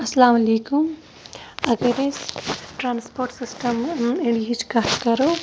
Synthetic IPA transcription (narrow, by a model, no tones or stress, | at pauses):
ɐslaːmɐliːkum | ɐɡɐɾesʈɾaːnspoɾʈsisʈɐmeɳɖiɦid͡ʒkatkɐɾo